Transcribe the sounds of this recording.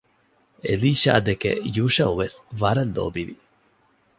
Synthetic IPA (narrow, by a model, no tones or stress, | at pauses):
eliːʃa̰ːd̪ekḛjuːʃɐuʋesʋɐɾɐlːo̰ːbiʋi